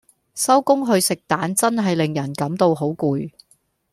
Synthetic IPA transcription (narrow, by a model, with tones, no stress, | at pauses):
sɐ˥wkʊ˥ŋɦɵ˧ɥsɪ˨k̚t̪aː˨˥nt͡sɐ˥nɦɐ˨jlɪ˨ŋjɐ˨˩nkɐ˨˥mt̪o˧wɦo˨˥wkuː˨˧j